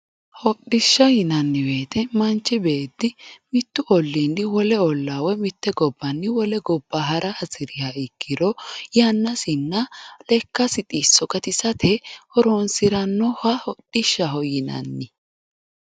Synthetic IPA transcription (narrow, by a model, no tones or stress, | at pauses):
hɔɗɪʃːɐjɪnɐnːɪwe̞ːt̪ʰɛmɐnt͡ʃːɪbe̞ːd̪ːɪmɪt̪ːʊʔɔlːiːnːɪwɔlɛɔlːawɛmɪt̪ːɛɡɔbːɐnːɪwɔlɛɡɔbːaɦɐɾʔɐʔɐzɪɾɪjaɪkːɪɾɔjɐnːɐsɪnːɐlɛkːɐsɪt̪ʼisːɔkɐt̪ɪsɐt̪ʰɛhɔɾonsɪɾɐnːɔhɐhɔɗːɪʃːɐɦɔjɪnɐ̰nːɪ